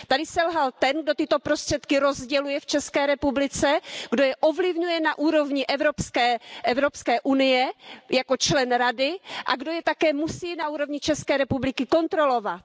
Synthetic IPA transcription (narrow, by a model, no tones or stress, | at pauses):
t̪adɪsɛlɦalt̪ɛnɡdo̞t̪ɪt̪o̞pɾo̞st̪r̥ɛt̪kɪɾo̞zɟɛlujɛft͡ʃɛskɛːɾɛpublɪt͡sɛɡdo̞jɛʔo̞vlɪvɲujɛnaʔuːɾo̞vɲɪʔɛvɾopskɛːʔɛvɾo̞pskɛːʔunɪjɛjako̞t͡ʃlɛnɾadɪʔa̰ɡdo̞jɛt̪akɛːmusiːnauːɾo̞vɲɪt͡ʃɛskɛːɾɛpublɪkɪko̞nt̪ɾo̞lo̞vat̪̚